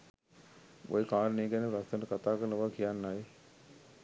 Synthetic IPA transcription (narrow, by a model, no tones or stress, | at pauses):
o̰jekaːɾəneːɡænəpɾast̪ənəkat̪aːkəɾnəʋakijanːaj